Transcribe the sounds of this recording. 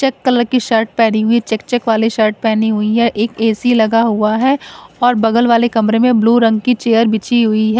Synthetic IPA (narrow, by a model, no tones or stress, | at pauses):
t͡ʃɛkːɐləɾkiʃɐɾʈ̚pɛːɽ̃iɦʊit͡ʃɛk̚t͡ʃɛkʋaːleʃɐɾʈ̚pɛːniɦʊiɦɛʔeːkeːsilɐɡaɦʊaɦɛːɔːɾbɐɡəlʋaːlekɐmɾemẽbluːɾɐ̃ŋɡ̚kit͡ʃeːjəɾbɪt͡ʃiɦʊiɦɛː